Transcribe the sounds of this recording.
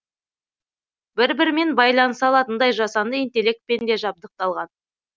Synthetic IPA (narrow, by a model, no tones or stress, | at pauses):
bɪɾbɪɾme̞nbɑjlˠɑnəsɑlˠɑt̪ənd̪ɑjʒɑsɑnd̪əint̪e̞le̞k̚t̪̚pe̞nd̪e̞ʒɑb̚d̪əq̚t̪ɑlˠʁɑn